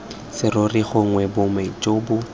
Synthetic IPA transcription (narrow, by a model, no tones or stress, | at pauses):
sɪroriχʊŋwɛbʊmɛt͡ʃʼoːbʊ